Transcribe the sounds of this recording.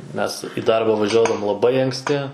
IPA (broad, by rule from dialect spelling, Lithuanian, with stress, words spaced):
ˈmʲɛs ɪ ˈdɐrbɐ ʋɐʒʲuɔdɐʋoːm lˠɐˈbɐɪ ɐŋksʲˈtʲɪ